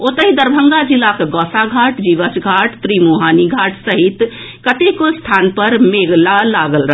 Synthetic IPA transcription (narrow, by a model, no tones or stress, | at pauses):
ot̪əɦid̪əɾbʱəŋɡad͡ʒilːakɡɔsaɡʱaʈd͡ʒiʋəsɡʱaʈt̪ɾimuɦaniɡʱaʈʰsəɦit̪ | kət̪ekost̪ʰanpəɾmeɡlalaɡəlɾə